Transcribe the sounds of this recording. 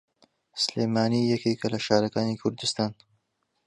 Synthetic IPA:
sleːmaːniːjɐkʰeːkɐlɐʃaːɾɐkaːniːkʰʊɾd̪ɨst̪aːn

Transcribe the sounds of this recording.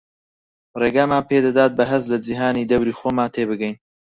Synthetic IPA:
reːɡaːmaːnpʰeːd̪ad̪aːt̪̚bɐɦɨslɐd͡ʒiɦaːniːd̪ɐwɾiːxoːmaːnt̪ʰeːbɨɡɛjn

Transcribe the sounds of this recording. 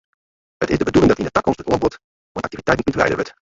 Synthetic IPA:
ɦətɪzdəbədulɪŋdɑtɪndətɑkɔnstətɔnbɔt | uə̰nʔɑ̰k̚tivitɛjtn̩t̚mutʋlɛ̰jdə̰ʋət

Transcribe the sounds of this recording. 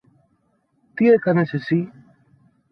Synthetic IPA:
t̪iekɐnesesi

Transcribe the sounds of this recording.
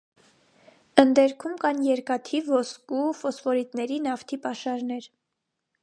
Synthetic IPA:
ənd̪ɛɾkʰumkɑnjɛɾkɑt̪ʰivɔskufɔsfɔɾit̪nɛɾinɑft̪ʰipɑʃɑɾnɛɾ

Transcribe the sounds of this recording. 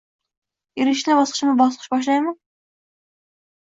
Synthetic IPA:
jeɾɪʃlɛbɑsqə̥ʃmɨbɑsˠqʰɨʃbɑʃ̬lˠɑjmu

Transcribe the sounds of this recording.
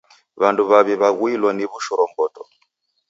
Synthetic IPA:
βanduβaβiβaɣwilwaniβuʃɔɾɔŋɡɔtɔ

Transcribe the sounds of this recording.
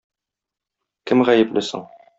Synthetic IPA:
kɘmʁæjɘ̆plʔɘsɤ̰ɴ

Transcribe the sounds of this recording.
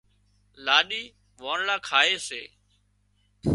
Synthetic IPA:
laːɗiː | ʋoːɳlaːkʰaːeːseː

